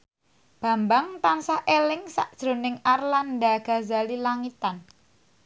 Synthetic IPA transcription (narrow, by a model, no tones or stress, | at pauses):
b̥a̤mbaŋt̪ansahʔelɪŋsa̰ʔd̥ʒ̥ɾo̤nɪŋarland̪aɡ̥a̤zalilaŋit̪an